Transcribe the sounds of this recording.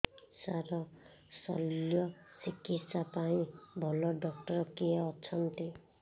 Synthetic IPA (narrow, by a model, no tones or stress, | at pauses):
saɾʌ | sʌ̰ljɔsikːit̪sapaĩbʱɔlɔɖɔk̚ʈʌɾkeːt͡sʰʌnt̪i